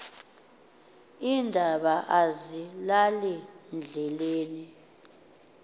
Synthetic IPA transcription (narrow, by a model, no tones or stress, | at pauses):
indʱaɓaʔazilalind͡ɮʱɛleːni